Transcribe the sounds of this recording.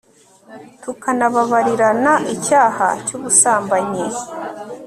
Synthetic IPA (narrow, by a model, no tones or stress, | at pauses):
tukanaβaβaɾiɾanaʔicaːha̰cuβusaːmbaɲe